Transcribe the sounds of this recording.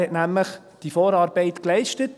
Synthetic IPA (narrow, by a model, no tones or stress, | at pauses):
ɛtnæmləχ | d̥ifoːɾɑːɾbɛɪtklɛɪʃtət